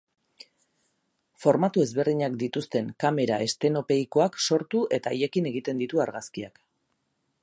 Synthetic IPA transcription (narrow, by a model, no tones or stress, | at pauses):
fo̞ɾmat̪ue̞zβe̞ɾðiɲakd̪it̪ust̪e̞ŋkame̞ɾaʔe̞st̪e̞no̞pe̞iko̞akso̞ɾt̪uʔe̞t̪aːje̞kine̞ɣ̞it̪e̞nd̪it̪uaɾɣaskiak